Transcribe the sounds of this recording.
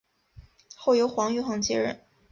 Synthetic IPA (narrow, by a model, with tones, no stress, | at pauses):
xo˥˩ʊjo˧˥ʊxwɑ˧˥ŋy˥˧xwɑ˥˩ŋt͡ɕjɛ˥ɻə̰˥˩˦n